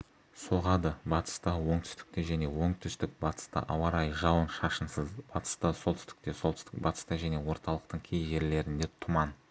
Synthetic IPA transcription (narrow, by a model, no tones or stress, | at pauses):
soʁɑd̪əbɑt̪ə̥st̪ɑwo̞ɴt̪ʰʏ̥st̪ɪ̥k̚t̪eʒæne̞wo̞ɴt̪ʰʏst̪ɪk̚bɑt̪ə̥st̪ɑ̰ʔɑwɑɾɑjʒɑwənʃɑʃənsəzb̥ɑt̪ə̥st̪ɑsolˠt̪ʰʏ̥st̪ɪ̥k̚t̪e̞so̞lt̪ʰʏ̥st̪ɪk̚bɑt̪ə̥st̪ɑʒæne̞wo̞ɾt̪ɑlˠəq̚t̪əɴkʲʰejʒe̞ɾle̞ɾɪnd̪e̞t̪t̪ʰʊmɑn